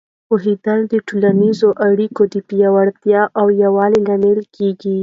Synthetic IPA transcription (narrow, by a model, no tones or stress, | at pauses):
poɦed̪əld̪əʈolanizoʔaɽikod̪əpijawaɽt̪jɑʔawjawɑlelamelkʰeɡi